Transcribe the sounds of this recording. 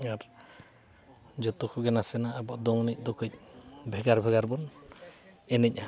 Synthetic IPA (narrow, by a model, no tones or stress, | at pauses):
aɾ | d͡ʒɔt̪ɔkʰuɡɛnasɛnaːbɔʔd̪ɔŋnic̚d̪ɔkʰɔc̚ˀbʱɛɡaɾbʱɛɡaɾbɔn | ɛnec̚